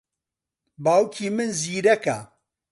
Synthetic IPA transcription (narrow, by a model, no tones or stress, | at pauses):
baːwkʰiːmɨnziːɾɐka